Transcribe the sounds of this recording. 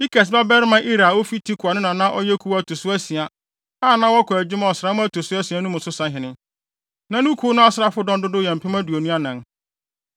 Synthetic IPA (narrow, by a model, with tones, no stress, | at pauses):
i˦kɛ˨s̬ba˦bɛ˦ɾɪ˦mã˦ʔi˦ɾa˨wo˦fi˦tʰi˦kʰʊ˨a˨nʊ̃˦nã˨nã˦ʔɔ˦jɛ˦kʰu˦wtʰo˨sʊ˦æ˦sĩ˨a˨ | aː˦˨nã˦wɔ˦kʰʊ˨æ˨d͡ʑɪ˦mã˦ɔ˨sɾa˨˦mʊ̃˦æ˦tʰo˨sʊ˦æ˦si˨a˨˦nʊ̃˦mʊ̃˨sʊ˦sã˦ɦɪ̃˨nɪ̃˦ | nã˨nʊ̃˦kʰu˦nʊ̃˦a˦sɪ˦ɾa˦fʊ˦dɔ̃˦ndʊ˦dʊ˦jɛ̃˨m̩˨pʰɪ˦mã˦du˨o˨nũ˦a˦nã˨n